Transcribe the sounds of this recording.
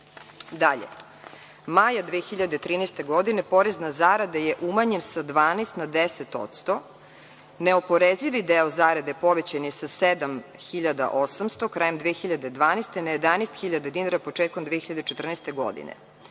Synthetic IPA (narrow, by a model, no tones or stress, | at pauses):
d̪aʎḛ | majad̪ʋexiʎad̪et̪ɾiːnɛst̪eɡod̪inepo̞ɾeznazaɾad̪ajeʔumaɲensad̪ʋaːnest̪nad̪eset̪o̰t̪st̪o | neopo̞ɾeziʋid̪eozaɾad̪epoʋet͡ɕanisased̪amxiʎad̪a̰ʔosamst̪okɾajemd̪ʋexiʎad̪ed̪ʋaːnest̪enajed̪anest̪xiʎad̪ad̪inaɾapot͡ʂeːt̪̚komd̪ʋexiʎad̪et͡ʃet̪r̩nɛst̪eɡo̰d̪ḭnḛ